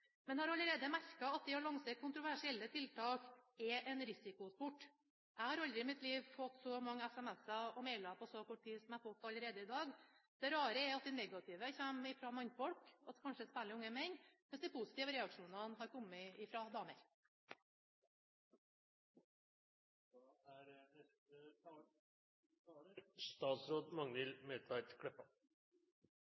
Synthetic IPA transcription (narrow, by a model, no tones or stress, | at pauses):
mɛnhɑɾɑləɾeːd̪əmæɾkɑɑt̪̚d̪ɛɔlɑŋsəkʰʊnt̪ɾʊʋæʂɪɛlːət̪ʰɪlt̪ʰɑːkɛʔɛnɾɪsɪkʊspʊʈː | ʔæɪhɑɾɑld̪ɾɪɪmɪt̪liːʋfɔt̪ːsɔmɑŋːəɛsɛmɛsɑɔmɛɪlɑpʰɔsɔkʰɔʈ̚ːt̪iːsɔmæɪfɔt̪ːɑlːəɾeːd̪əɪd̪ɑːɡd̪̥ɛɾɑːɾəɛɑt̪̚d̪ɛnɛɡɑt̪ʰɪːʋəçæːmɪfɾɑmɑnfɔlkɑt̪kʰɑnʂəspæːɭɪʊŋːəmɛnːmɛnsd̪ɪpʰʊsɪt̪iːʋəɾɛɑkʂuːnɑnɦɑɾkʰɔmːəɪfɾɑd̪ɑːməɾ | st̪ɑːt̪sɾoːd̪mɑŋnɪlmeːt̪ʰʋæt̪kʰɽɛpːɑ